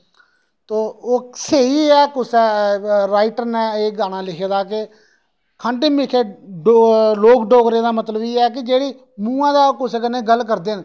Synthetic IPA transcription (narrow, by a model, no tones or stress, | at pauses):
t̪oːoːseiːɛːkʊsɛːɾaːɪʈəɾnɛ̃ːeːɡaːñãːlɪkʰeːd̪aːke | kʰəɳʈẽːmɪkʰeːɖoloːkɖoːɡɾeːd̪aːmət̪ləbiːɛːk̬ɪd͡ʒeːɽiː | mũːãːd̪aːkʊseːkənẽːɡəlk̬əɾd̪eːn